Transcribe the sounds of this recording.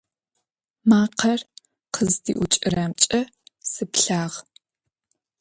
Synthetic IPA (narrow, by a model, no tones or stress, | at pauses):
maːqʰɐr | qʰəzdḭːʔʊt͡ʃʼɪɾaːmt͡ʃʼɐ | sɨpɬaːʁ